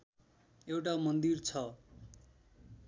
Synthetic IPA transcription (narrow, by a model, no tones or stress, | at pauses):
ewʈamʌnd̪irt͡sʰʌ